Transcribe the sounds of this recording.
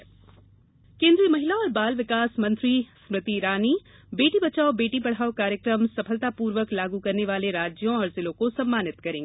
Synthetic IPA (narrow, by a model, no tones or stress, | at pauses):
kẽːnd̪ɾimɐɦɪlaɔːɾbaːlʋɪkaːsmɐ̃nt̪ɾismɾɪt̪iɾaːni | beːʈibɐt͡ʃaːobeːʈipɐɽ̤aːokaːɾjəkɾəmsɐpʰəlt̪apuːɾʋəklaːɡukɐɾneʋaːleɾaːd͡ʒjõɔːɾzɪlõkosɐmːaːnɪt̪kɐɾẽŋɡ